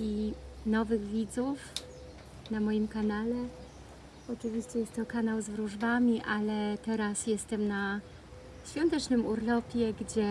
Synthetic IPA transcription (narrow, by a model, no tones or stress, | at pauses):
inɔvɘɣvʲid̪zuf | namɔjimkanalɛ | ɔt͡ʂɘvʲiɕt͡ɕɛjɛst̪ːɔkanawzvɾuʐbamʲiʔalɛt̪ɛɾasjɛst̪ɛmna | ɕfʲjɔnt̪ɛt͡ʂnɘmuɾlɔpʲjɛɡd͡ʑɛ